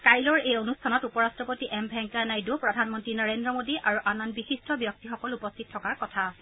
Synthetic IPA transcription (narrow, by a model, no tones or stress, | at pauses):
kajlɔɹejonustʰanɔtupɔɹastɹɔpotiʔɛmbʱɛŋkanajdupɹɔdʱanmɔntɹinɔɹendɹɔmodiʔaɹuʔananbixistʰɔbjɔk̚tixɔkɔlupɔstʰit̚tʰːɔkaɹkɔtʰa